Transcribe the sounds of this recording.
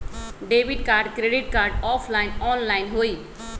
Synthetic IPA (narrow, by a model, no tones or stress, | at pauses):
ɖeːʋiɖkaːɾɖkɾeːɖɪʈkaːɾɖɔːpʰlaɪnɔːnlaːɪnɦoːiː